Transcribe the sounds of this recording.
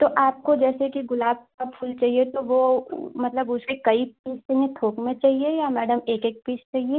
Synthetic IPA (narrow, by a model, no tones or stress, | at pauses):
t̪oʔaːp̚kod͡ʒɛːsekiɡʊlaːb̚kapʰʊːlt͡ʃaːɦiet̪oʋomɐt̪ləbʊsekɐipiːstɐ̃ẽt̪ʰoːkmẽt͡ʃaːɦiejamɛːɖəmeːkeːk̚piːt͡ʃt͡ʃaːɦie